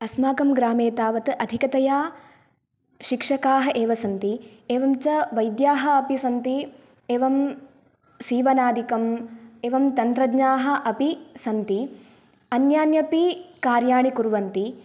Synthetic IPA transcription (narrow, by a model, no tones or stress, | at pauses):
ɐsmaːkɐmɡɾaːmeːt̪aːʋɐt̪ʔɐd̪ʱikɐt̪ɐjaː | ʃikʂɐkaːɦɐʔeːʋɐsɐnt̪ieːʋɐmt͡ʃɐʋɐjd̪jaːɦɐɐpisɐnt̪i | eːʋɐm | siːʋɐnaːd̪ikɐmeːʋɐmt̪ɐnt̪ɾɐɡɲaːɦɐ̆ʔɐpisɐnt̪i | ɐnjaːnjɐpikaːɾjaːɳikuɾʋɐnt̪i